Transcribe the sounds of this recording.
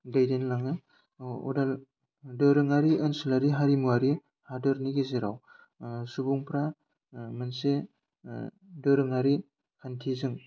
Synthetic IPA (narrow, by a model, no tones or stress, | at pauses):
dajdenlaŋɯ | ṵdal | dɯɾɯŋaɾiɯnsulaɾiɦaɾimuaɾi | hadɯɾniɡeziɾaw | subuŋpɾa | mɯnse | dɯɾɯŋaɾi | kʰantʰizɯŋ